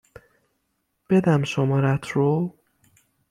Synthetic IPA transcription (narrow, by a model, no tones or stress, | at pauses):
b̥e̞d̪æmʃomɒːɾæt̪ʰɾo